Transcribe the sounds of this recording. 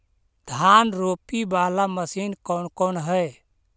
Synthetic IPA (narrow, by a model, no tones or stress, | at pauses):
d̪ʱanɾopibalaməsinkɔnkonɦə